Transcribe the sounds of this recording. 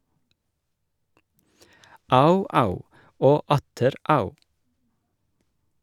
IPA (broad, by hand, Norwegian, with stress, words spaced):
ˈɑʉˌɑʉ ˈoː ˈɑtəɾ ˈɑʉ